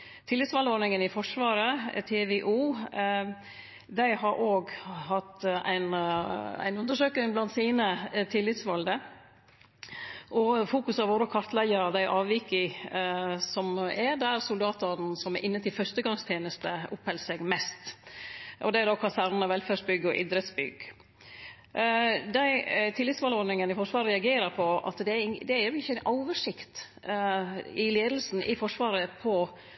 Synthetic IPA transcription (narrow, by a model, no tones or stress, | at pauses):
t̪ʰɪlːɪt̪sʋɑld̪əoːɾnɪŋənɪfɔʂʋɑːɾə̰t̪ʰeʋɛʔuː | d̪æɪhɑɾʔoːɡhɑt̪ːæ̰ɪnæ̰ɪnʉnd̪əʂøːkɪŋblɑnt̪siːnət̪ʰɪlːɪt̪sʋɑld̪ə | ʔɔfuːkʉsɑʋoːɾəkʰɑɾt̪læəɾəd̪æɪʔɑːʋʋiːkɪ | sɔmɛd̪æɾsʊld̪ɑːt̪ɑn̩sɔmæɾʔɪnːət̪ːɪlfœʂt̪əɡɑŋst̪ʰjeːnəst̪əʊphɛlsɛɡmɛst̪ | ʔɔd̪ɛæd̪oːkʰɑsæɾnənɑʋɛlfæʂbʏɡːɔʔɪd̪ɾət̪sbʏ̰ɡ | d̪æɪt̪ʰɪlːɪt̪sʋɑːlɔɖnɪŋənɪfɔʂʋɑːɾəɾɛɑɡeːɾəɾpʰɔɑ̰t̪d̪ɛd̪ɛæɾjʊɪçːəæɪnɑːʋəʂɪkt̪ | ɪleːd̪l̩sn̩ʔɪfɔʂʋɑːɾəpʰɔ